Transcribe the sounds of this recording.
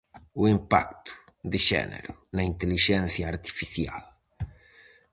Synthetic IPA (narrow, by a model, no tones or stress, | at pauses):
uimpa̰k̚t̪ʊ̥ | d̪ɪʒɛ̰nḛɾʊnɐint̪eliʒɛnθjɐːɾt̪i̥fiθja̰l